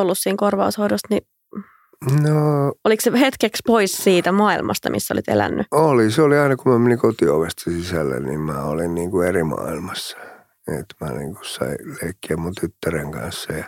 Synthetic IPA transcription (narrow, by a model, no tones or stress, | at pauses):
olːussiːŋkorʋɑushoidost̪ni | nooliksehet̪kekspoissiːt̪æmɑilmʔɑ̰st̪ɑmḭsːæo̰lit̪ḛlæ̰nːyoliseoliɑinɑkumæmeniŋkot̪ioʋest̪ɑsisælːḛnnḭmmæ̰ːolinniːŋkuerimɑ̰ilmɑsːɑ̥ | ḛt̪mæ̰nḭːŋku̥ssɑ̰ileikːiæmmunt̪yt̪ːæreŋkɑ̰̃nsːɑjɑ